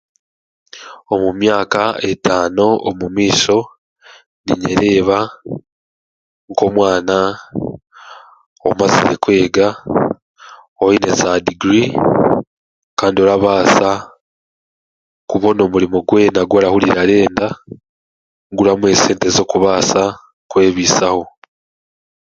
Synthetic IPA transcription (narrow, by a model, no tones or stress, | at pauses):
o̞mumjaːkae̞taːno̞o̰mumiːso̞ | nḭɲe̞̰ɾe̞ːβa | ŋko̞ːmwaːna | o̰mazḭɾekwe̞ːɡa | oine̞zadiɡɾi | kaːndio̞ɾaβaːsa | kuβo̞no̞muɾimo̞ɡwe̞naɡwoːɾahuliɾaɾe̞ːnda | ŋɡuɾamwe̞se̞ːntezo̞ːkuβaːsa | kwe̞ːβisaho̞